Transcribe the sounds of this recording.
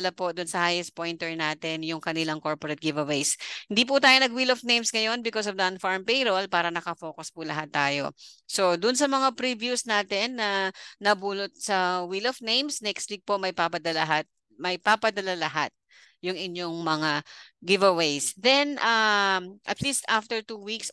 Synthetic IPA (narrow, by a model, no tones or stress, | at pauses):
lapod̪ʊnsɐhaːjɛspojnt̪ɛɹnaːt̪ɛnjʊŋkɐnɪlaŋko̞ɹpoɾɛt̪̚ɡɪvɐwejshɪnd̪iːp̬ʊt̪aːjonɐɡ̚wilofnejmsŋɐjo̞nbɪkosɔvd̪ɐʔɐnfaɹmpɛjɾolpaːɾɐnɐkɐfo̞ːkʊspʊlɐɦat̪ːaːjo̞̰so̞d̪ʊnsɐmɐŋapɾivjusnaːt̪ɛnːɐnɐbuːlot̪̚sɐwilɔfnẽjmsnɛkst̪wik̚po̞mɐjpapɐd̪ɐlɐɦat̪̚ | mɐjpapɐd̪ɐlalɐɦat̪̚ | jʊŋɪɲːoŋmɐŋaɡɪvɐwejsd̪ɛnʔɐʔɐt̪list̪aft̪ɛɹt̪uːwiks